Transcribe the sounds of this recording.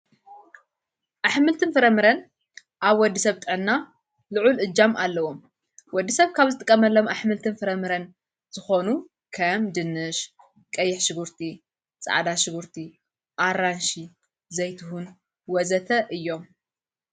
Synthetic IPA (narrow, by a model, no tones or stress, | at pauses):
ʔaħmɨlt̪ʰɨnfɨɾɐmɨɾɐn | ʔaβwɔd̪ːisɐβt̪ʼɨʕɨnːa | lɨʕulʔɨd͡ʒːamalːɐwom | wɔd̪ːisɐβkʰaβzɨt̪ʼɨkʼːɐmɐlːomʔaħmɨlt̪ʰɨnfɨɾɐmɨɾɐn | z̥ɨxo̞nu | kʰɐmd̪ɨnːɨʃ | kʼɐjːɪħʃɨɡuɾt̪ʰi | t͡sʼa̰ʕd̪aʃɨɡuɾt̪ʰi | ʔaɾanʃi | zɐjt̪ʰɨɦun | wɔzɐt̪ʰɐʔɨjːo̞m